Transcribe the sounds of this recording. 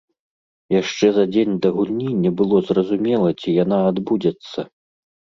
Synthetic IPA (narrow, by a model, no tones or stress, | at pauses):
jaʂt͡ʂɛzɐd͡zʲenʲd̪ɐɣulʲnʲinʲːɐbɨlˠɔzrɐzumʲɛlˠɐt͡sʲijan̪aːd̪bud͡zʲɛt̪sːɐ